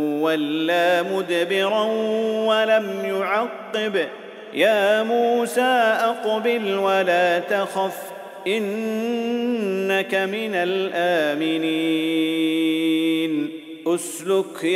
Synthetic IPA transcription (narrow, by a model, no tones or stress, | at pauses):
walːaːmʊd̪bɪɾawalamjʊʕɑqːɪb | jaːmuːsaːʔɑqbɪlwalaːt̪axaf | ʔɪn | akamɪnalʔaːmɪniː | n | ʔʊslʊk